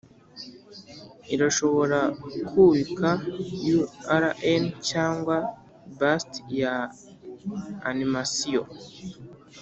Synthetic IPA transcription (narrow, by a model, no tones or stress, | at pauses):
iɾaʃo̞βo̞ɾakʰuβikʰajuaɾaʔencaːŋɡwa | bastja | nimasio̰